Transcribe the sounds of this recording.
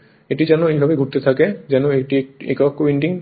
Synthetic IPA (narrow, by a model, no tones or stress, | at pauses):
eʈid͡ʒanuejbʱabeɡʱut̪et̪ʰaked͡ʒɛnueʈiḛkɔkːowiɳʈiŋ